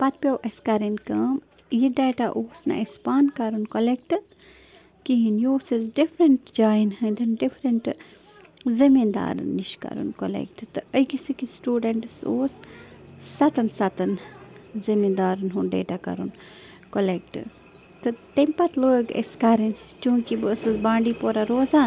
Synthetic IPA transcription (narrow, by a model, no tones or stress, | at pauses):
pɐt̪̚pʲjewʔeskɐɾinkɐːm | jiɖeːʈaʔoːsnɨ̰ʔespaːnkɐɾunkolek̚ʈɨ | kiɦinjoːsizɖifʰɾɐɳʈd͡ʒaːjinhɐnd̪ɨnɖifɾɐɳʈ | zimind̪a̰ːɾɨ̰nːiʃkɐ̰ɾṵnkolḛk̚ʈt̪ɨəjɡisikisʈuːɖeɳʈsoːsː | ɐt̪ɐnsɐt̪ɐnzimind̪aːɾɨnɦunɖḛːʈakɐ̰ɾṵn | kolek̚ʈ | t̪ɨt̪empɐt̪loːɡḛskɐɾint͡ʃũːkibɨsɨsbãːɳɖiːpoːɾaɾoːzaːn